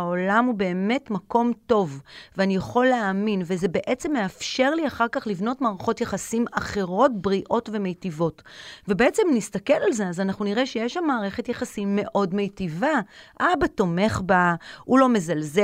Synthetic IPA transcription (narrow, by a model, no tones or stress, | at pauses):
aolamube̞ːme̞tmako̞mto̞vveanijaχo̞lːeaminvezebe̞ʔet͡se̞mːe̞afʃe̞ʁliaχaʁkaχlivno̞tmaːʁaχo̞tjeχasimaχe̞ʁo̞tbʁiʔo̞tve̞mejtivo̞tvebeet͡se̞mnistakelalze̞azanaχnuniʁeʃejeʃamːaːʁe̞χetjeχasimːe̞ʔo̞dmejtivaʔabato̞me̞χbaulo̞me̞zalze